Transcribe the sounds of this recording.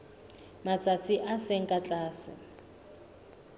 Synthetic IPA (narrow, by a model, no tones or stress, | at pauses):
mat͡sʼat͡sʰiʔaseŋ̩kʼat͡ɬʼaːsɪ̰